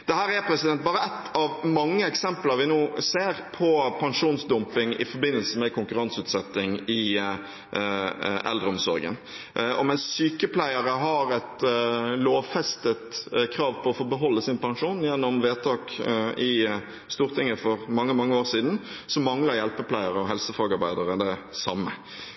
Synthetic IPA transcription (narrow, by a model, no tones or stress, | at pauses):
d̪̥ɛhæːɾæpʰɾɛsɪd̪ɛnt̪̚bɑːɾəɛt̪ːɑʋmɑŋːəɛksɛmpələɾʋɪnoːseːɾpʰɔpʰɑŋʂuːnsd̪ɔmpɪŋɪ̰fɔɾbɪnəlsəmɛkʰʊŋkʉɾɑnsʉːt̪sɛt̪ːɪŋɪ | ʔɛ̰ld̪ɾəɔmsɔ̰ɾɡə̰n | ʔɔ̰mɛnssyːkəpʰlæɪəɾəɦɑɾɛt̪loːʋfɛst̪ət̪kʰɾɑːʋpʰɔɔfoːbəɦɔlːəsɪnpɑŋʂuːnjænːɔmʋeːt̪ʰɑːkɪ | st̪uːʁt̪ʰɪŋːəfɔʁmɑŋːəmɑŋːəoːʁsiːd̪n̩ | sɔmmɑŋləɾjɛlpəpʰlæɪəɾəɔɦɛlsəfɑːɡɑɾbæɪd̪əɾəd̪ɛsɑmːə̰